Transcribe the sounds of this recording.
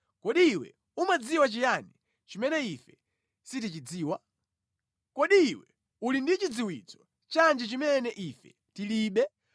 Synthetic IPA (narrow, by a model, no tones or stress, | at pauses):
kɔɗiːwɛ̰ | umad͡ziwat͡ʃijani | t͡ʃimɛnɛifɛ | sit̬it͡ʃid͡ziːwa | kɔɗiːwɛ | ulindit͡ʃid͡ziwit͡sɔ̥ | t͡ʃand͡ʒɛt͡ʃimɛnɛʔifɛ | tiliːɓɛ